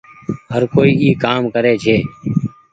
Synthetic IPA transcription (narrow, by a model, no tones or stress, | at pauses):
ɦəɾkoːiːʔiːkaːmkəɾeːt͡ʃʰeː